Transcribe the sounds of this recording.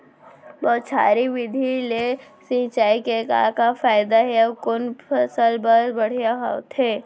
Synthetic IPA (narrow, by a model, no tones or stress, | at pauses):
bɔːt̪t͡ʃʰa̰ːɾiʋɪd̪ʱile | sĩːt͡ʃaːikeka̰ːkafaːɪd̪aɦɛakʊnpɐsəlbəɾbɐɽ̤ijaɦa̰t̪ʰɦeː